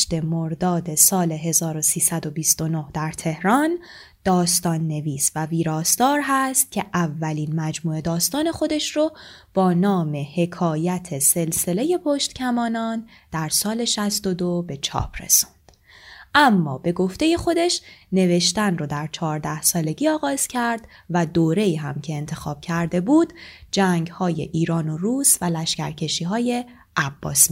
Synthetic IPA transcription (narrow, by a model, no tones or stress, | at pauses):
t̪e̞moɾd̪ɒːd̪e̞sɒːle̞ɦe̞zɒːɾo̞siːsæd̪o̞bist̪o̞no̞hd̪æɾt̪ʰe̞hɾɒn | d̪̥ɒːst̪ɒːnːe̞viːsvæviːɾɒːst̪ɒːɾɦæst̪̚cʰe̞ʔævːæliːnmæd͡ʒmuːe̞d̪ɒːst̪ɒːne̞xo̞d̪e̞ʃrob̥ɒːnɒːme̞he̞kʰɒːjæt̪ʰese̞lse̞le̞je̞pʰoʃt̪cʰæmɒːnɒn | d̪̥æɾsɒːle̞ʃæst̪o̞d̪obe̞t͡ʃʰɒ̰ːpʰrḛsu̥nd̪̥ | ʔæmːɒːbe̞ɡo̞ft̪e̞je̞xo̞d̪e̞ʃne̞ve̞ʃt̪ænrod̪æɾt͡ʃʰɒːɾd̪æhsɒːle̞ɟiːɒːɣɒːz̥cʰæɾd̪̥ | væd̪oːɾe̞iːɦæmcʰe̞ːnt̪ʰe̞xɒ̰ːb̥̚cʰæɾd̪e̞buːd̪d͡ʒæŋɡhɒːje̞̰ʔiːɾɒːnoruːsvælæʃcæ̰ɾcʰe̞ʃiːɦɒːje̞ | ʔæb̥ːɒ̰ːs